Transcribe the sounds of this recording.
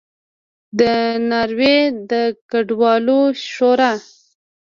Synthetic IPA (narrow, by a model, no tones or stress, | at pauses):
d̪ənaɾwed̪əkaɖwɑloʃoɾa